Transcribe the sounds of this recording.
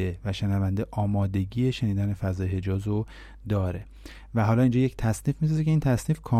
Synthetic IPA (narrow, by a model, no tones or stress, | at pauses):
evæʃenævænd̪eʔɒːmɒːd̪e̞ɟiːjeʃe̞niːd̪æne̞fæzɒːjhe̞d͡ʒɒːzɾo | d̪ɒːɾe̞ | væɦɒːlɒːind͡ʒɒːject̪ʰæsniːfmis̬ɒzecʰʲeiːnt̪ʰæsniːfkʰɒː